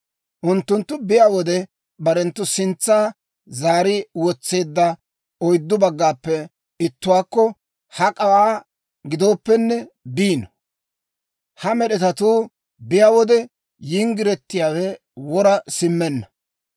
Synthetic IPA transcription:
ʔʊnt̪ːʊnt̪ːʊbɪjaːwɔd̪ɛ | bɐɾɛnt̪ːʊsɪnt͡sːaː | zaːɾɪwɔt͡sːe̞ːd̪ːɐ | ɔjd̪ːʊbɐɡːaːpːɛ | ɪt̪ːʊwaːkːɔ | hɐkʼɐwaː | ɡɪd̪o̞ːpːɛnːɛbiːnɔ | hɐmɛɗɛt̪ɐt̪uː | bɪjaːwɔd̪ɛ | jiŋɡɪɾɛt̪ːɪjaːwɛ | wɔɾɐsɪmːɛnːɐ

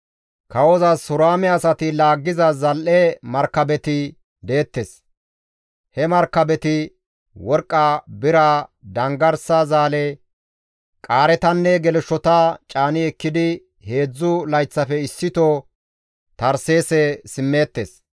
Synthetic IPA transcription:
kɐwɔzɐsʊɾaːmɛɐsɐt̪ɪlaːɡːɪzɐzɐlʔɛmɐɾkːɐbɛt̪ɪ | d̪e̞ːt̪ːes | hɛmɐɾkːɐbɛt̪ɪ | wɔɾkʼːabɪɾad̪ɐŋɡɐɾsɐzaːlɛ | kʼaːɾɛt̪ɐnːɛɡɛlʃɔt̪at͡ʃʼaːnɪɛkːɪd̪ɪ | he̞ːd͡zːʊlɐjt͡sːɐfɛɪsːɪt̪ɔ | t̪ɐɾse̞ːsɛsɪmːeːt̪ːes

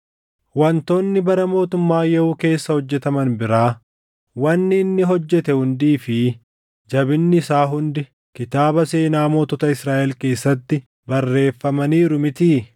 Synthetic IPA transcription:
wɐnt̪o̞ːnːɪbɐɾɐmo̞ːt̪ʊmːaːjɛuːke̞ːsːɐhɔd͡ʒːɛt̪ɐmɐnbɪɾaː | wɐnːɪːnːɪɦɔd͡ʒːɛt̪ɛhʊnd̪iːfɪ | d͡ʒɐbɪnːɪsaːɦʊnd̪ɪ | kɪt̪aːbɐse̞ːnaːmo̞ːt̪ɔt̪ɐɪsɾaːʔɛlke̞ːsːɐt̪ːɪ | bɐrːe̞ːfːɐmɐniːɾʊmɪt̪iː

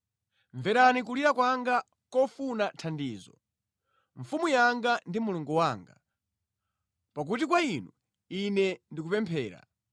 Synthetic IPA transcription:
ɱvɛɾanik̬uliɾakwaŋɡa | kɔfunatʰandiːzɔ̰ | ɱfumujaŋɡandimuluŋɡuwaːŋɡa | pak̬utikwainu | inɛndik̬upɛmpʰɛːɾa̰

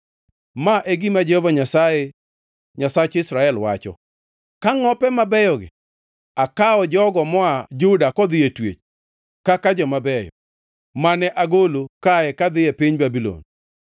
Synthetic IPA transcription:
maʔeɡimad͡ʒɛhovaɲasae | ɲasat͡ʃɪsɾaɛlwa̰t͡ʃɔ̰ | kaŋɔpɛmabɛjɔɡɪ̰ | akaɔd͡ʒɔɡɔmɔad͡ʒʊdakɔd̪ɪjetwḛt͡ʃ | kakad͡ʒɔmabɛjɔ̰ | manɛʔaɡolokajɛkad̪ɪjepiɲbabilo̰n

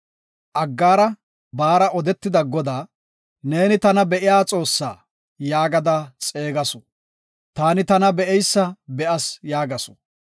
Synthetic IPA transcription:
ʔɐɡːaːɾɐ | baːɾɐʔɔd̪ɛt̪ːɪd̪ɐɡɔd̪aː | ne̞ːnɪt̪ɐnɐbɛʔɪjaːt͡sʼo̞ːsːa̰ː | jaːɡɐd̪aːt͡sʼe̞ːɡɐsɔ̥ | t̪aːnɪt̪ɐnɐbɛɛjsːɐbɛʔɐsjaːɡɐsɔ̥

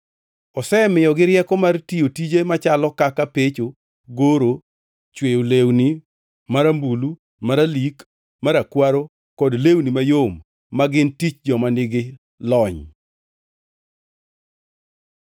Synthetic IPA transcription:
ɔsɛmɪjɔɡɪɾjɛkɔmartijotid͡ʒemat͡ʃalɔkakapet͡ʃo | ɡoɾo | t͡ʃwejolewni | maɾambulu | maɾalik | maɾakwaɾo | kɔdlewnimajomː | aɡɪntit͡ʃd͡ʒɔmanɪɡɪ | lɔɲ

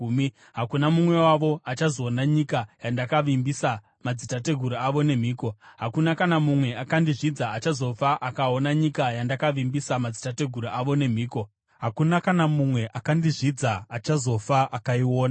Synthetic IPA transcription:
m | ɦakunamumwe̞waʋo̞at͡ʃazo̞ːnaɲikajandakaʋimbisa | mad͡zitate̞ɡʱuɾuaʋo̞ne̞m̤iːko̞ɦakunakanamumwe̞akandiʐid͡zaːt͡ʃazo̞faʔakao̞naɲikajandakaʋimbisamad͡zitate̞ɡʱuɾuʔaʋo̞ne̞m̤iːko̞ | ɦakunakanamumwe̞ʔakandiʐid͡zaːt͡ʃazo̞faʔakaiwo̞ːna

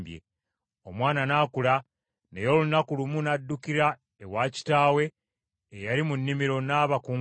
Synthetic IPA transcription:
bjḛ | o̞mwaːnanaːkula | nejo̞ːlunakulumunadːukiɾa | ewaːci̥taːwe̞ː | jaɾimunːimiɾo̞naːβakuː

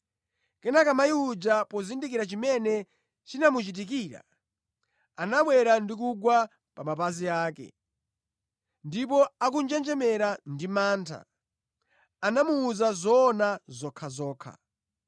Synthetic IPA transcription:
kɛnakamaiud͡ʒapɔzindikiɾat͡ʃimɛnɛ | t͡ʃinamut͡ʃit̬ik̬iːɾa̰ | anaɓwɛɾandik̬uɡwa | pamapaziaːkɛ̰ | ndip̬ɔak̬und͡ʒɛnd͡ʒɛmɛɾandimaːntʰa̰ | anamuːzazɔːnazɔkʰazɔːkʰa̰

